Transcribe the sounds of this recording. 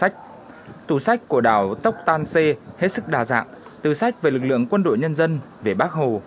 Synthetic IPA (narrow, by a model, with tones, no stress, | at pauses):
jk̚ | t̪u˧˨˩sa˦˥jk̟̚ku˧˩əɗaː˧˩wt̪ə˦˥wk͡p̚t̪aː˧nse˧he˦˥t̚sɨ˦˥k̚ɗaː˨˩za̰ː˧˨ŋt̪ɨ˨˩sa˦˥jk̟̚ve˨˩lɨ˨˩k̚lɨ̰˧˨əŋkwə˧nɗo̰˧˨jɲə˧nzə˧n | ve˨˩ɓaː˦˥k̚ɦo˨˩